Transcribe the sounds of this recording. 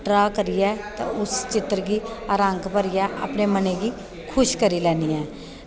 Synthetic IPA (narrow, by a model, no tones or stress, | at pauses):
ʈɾaːkəɾɪjɛːt̪ã̰ʔʊst͡ʃɪt̪ɾɡiːaːɾə̃ŋkpəɾɪjɛːʔa̰ːpneːməneːɡiː | kʰʊʃkəɾiːlɛːniːɛː